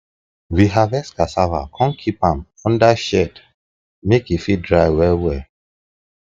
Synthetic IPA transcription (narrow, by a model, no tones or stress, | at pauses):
wiɦavɛskasava̰kʰɔ̃nkʰipãm | ɔ̃ndaʃɛd | mekifidɹaɪwɛwɛ